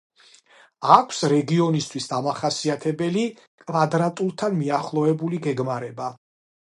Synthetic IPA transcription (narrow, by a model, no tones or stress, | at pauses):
akʷʰsɾɛɡiɔnist̪ʰwisd̪amaχasiat̪ʰɛbɛli | kʼvad̪ɾat̪ʼulˠt̪ʰanmiaχlˠɔɛbuliɡɛɡmaɾɛba